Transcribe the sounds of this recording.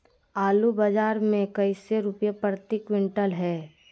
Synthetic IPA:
aːlubad͡ʒaːɾmẽkɐiseɾʊpjapɾət̪ikwɪ̃ɳʈəlɦɛː

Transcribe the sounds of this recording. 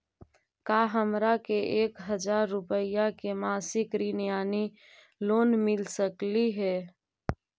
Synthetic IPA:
kaːɦəmɾakeʔeːkɦəd͡ʒaːɾːʊpəɪjakemaːsɪkɾiːnijaːni | loːnmɪlsəkliɦɛː

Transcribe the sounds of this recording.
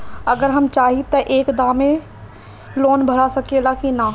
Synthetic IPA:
ɐɡəɾɦɐmt͡ʃaːɦit̪ɐʔeːkd̪ãːmẽ | loːnbʱɐɾasɐkelakina

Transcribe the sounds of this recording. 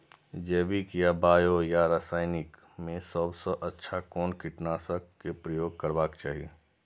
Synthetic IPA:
d͡ʒeːbikjabaːjojaɾaːsaːɪnɪk | mẽsəbsəʔɐtːʃʰakɔːnkɪʈnaːsəkːkepɾəjoːɡ̚kəɾbaːkt͡ʃaːɦieː

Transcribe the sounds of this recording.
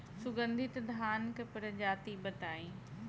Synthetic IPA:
sʊɡə̃nd̪ʱɪt̪d̪ʱaːnkɐpəɾəd͡ʑaːt̪ibɐt̪aːĩː

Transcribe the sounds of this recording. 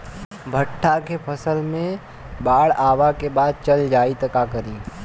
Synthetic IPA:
bʱəʈʰːakepʰɐsəlmẽ | baːɽaːʋakebaːd̪̚t͡ʃɐld͡ʒaːit̪ɐkakəɾĩː

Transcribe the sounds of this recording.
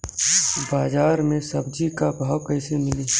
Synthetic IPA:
baːd͡ʒaːɾmẽsɐbd͡ʒikabʱaːkɐɪsemɪliː

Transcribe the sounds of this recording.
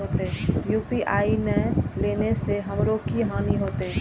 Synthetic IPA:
oːt̪eɦɛjuːpiʔaːinəleːneseɦɐmɾokiɦaːniɦoːt̪ɛ

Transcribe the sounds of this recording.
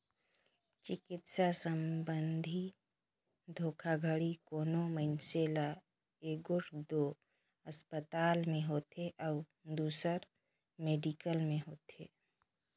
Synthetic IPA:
t͡ʃɪkɪt̪sasəmbənd̪ʱi | d̪ʱoːkʰaɡʱəɽikoːnoməɪnsela | eːɡʊɾd̪oː | əspət̪aːlmẽɦoːt̪eʔɔʊ | d̪uːsəɾ | meːɖikəlmẽɦoːt̪ḛː

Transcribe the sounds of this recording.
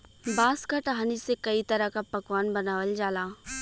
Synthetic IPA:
baːskaʈɐɦaːnisekɐit̪ɐɾəkapɐkʋaːnbɐnaːʋəld͡ʒaːlaː

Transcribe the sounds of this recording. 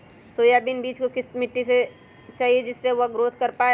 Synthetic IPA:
soːjabinbiːt͡ʃkokɪsmɪʈːise | t͡ʃaːɦied͡ʒɪsːeʋoɡɾoːt̪ʰkɐɾpaːe

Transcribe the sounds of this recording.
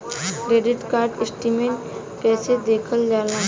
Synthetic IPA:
kɾeːɖɪʈkaːɾɖɪsʈimẽ | kɛːsed̪eːkʰəld͡ʒaːlãː

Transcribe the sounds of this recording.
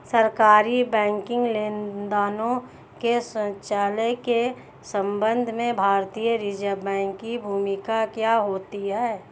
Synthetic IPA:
səɾkaːɾibɛ̃ːŋkɪ̃ŋɡleːnd̪aːnõ | kesə̃t͡ʃaːleke | sə̃mbə̃nd̪ʱmẽbʱaːɾt̪iːjəɾid͡ʒəbɛ̃ːŋkːibʱuːmɪkakjaɦoːt̪iɦɛː

